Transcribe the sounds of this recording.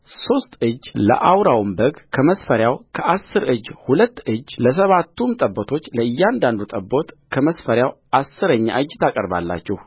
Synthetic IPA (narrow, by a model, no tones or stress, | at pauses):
so̞st̪ɨd͡ʒːlə̰ʔawɾawmbəɡkʰəməsfəɾjawkʰəʔasːɨɾɨd͡ʒhulət̪ːɨd͡ʒːləs̬əβat̪ːumt̪ʼəbːot̪ʰo̞t͡ʃːləɨjːand̪and̪ut̪ʼəbːo̞t̪ | kʰəməsfəɾjawʔasːɨɾəɲːa̰ʔɨd͡ʒːt̪ʰakʼəɾba̰lːa̰t͡ʃːɛh